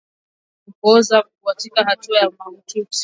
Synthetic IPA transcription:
ukɔzakuuatikahatuajamam̩tiu̥s

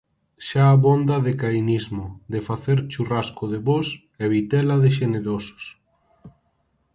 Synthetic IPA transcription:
ʃaːβond̪ɐðekajnizmod̪efaθeɾt͡ʃuraskoðeβos | ɛβit̪ɛlaðeʃ̬eneɾoso̥s

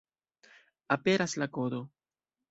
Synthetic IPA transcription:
apeɾaslakoðo

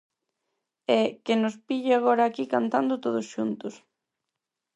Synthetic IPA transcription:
ɛkɪnʊspiʎɪaɣoɾaːkikant̪and̪ʊt̪oð̞ʊsʃunt̪ʊs

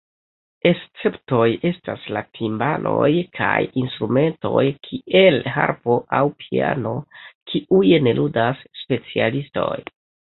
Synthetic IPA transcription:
e̞st͡se̞pto̞je̞staslatʰimbalʔo̞jkʰa̰jinstɾume̞nto̞jkʰiʔe̞lɦa̰ɾpo̞ʔawpʰia̰no̞kʰiʔujne̞lʔudasːpe̞t͡sialisto̞̰j

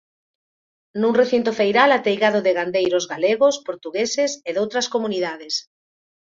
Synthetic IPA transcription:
nuŋreθint̪ofejɾalat̪ejɣaðoʊðeɣand̪ejɾozɣaleɣospoɾt̪uɣeseseðowt̪ɾɐskomuniðaðes

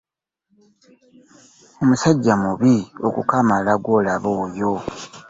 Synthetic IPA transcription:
omusaɟːamuβio̞̰kṵkamalaɡwo̞ːlaβo̞ːjo̞

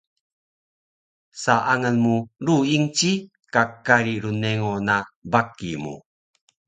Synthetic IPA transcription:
saʔaŋənmuɾuiŋt͡ɕi | kakaɾiɾuneŋonabakimṵ

